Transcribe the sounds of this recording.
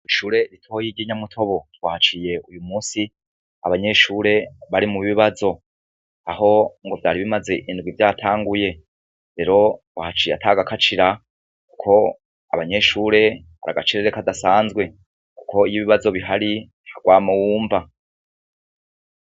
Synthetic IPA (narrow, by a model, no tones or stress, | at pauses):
iʃuːɾe̞ɾitʰo̞ːjiɟiɲamutʰo̞βo̞twaːhat͡ʃije̞ʔujumuːsi | a̰βaɲe̞ʃuːɾe̞βaɾimuβiβazo̞ | aho̞ŋɡo̞vjaːɾiβimaze̞ʔindɡwivjaːtʰaːŋɡuje̞ | ɾe̞ːɾo̞wahat͡ʃiːjataɡakʰat͡ʃiɾa | ku̥kʰo̞ | a̰βaɲe̞ʃuːɾe̞ | βa̰ɾaɡat͡ʃiɾeɾekadasaːnzɡwe̞ | ku̥kʰo̞ijiβiβazo̞βiɦaɾi | haɡwaːmawuːɱva